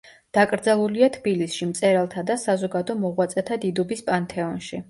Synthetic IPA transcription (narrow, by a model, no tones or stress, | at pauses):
d̪̥akʼɾd̪zalˠuliat̪ʰbilisʃimt̪sʼɛɾalˠt̪ʰad̪asazɔɡad̪ɔmɔʁwat̪sʼɛt̪ʰad̪id̪ɔbispʼant̪ʰɛɔnʃi